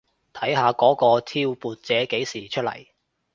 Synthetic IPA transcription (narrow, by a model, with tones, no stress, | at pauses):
t̪ʰɐ˨˥jhaː˨˧kɔː˨˥kɔː˧t̪ʰiː˧˥wpuː˨˧t̚t͡sɛː˨˥ke˨˥jsiː˨˩t͡ʃʰɵ˥t̚lɐ̰˨˩j